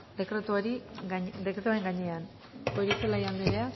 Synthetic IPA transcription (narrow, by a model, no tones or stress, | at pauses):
d̪e̞kɾe̞t̪uaɾid̪ekɾet̪uaɾe̞ŋɡaɲe̞an | oɾiselajand̪eɾea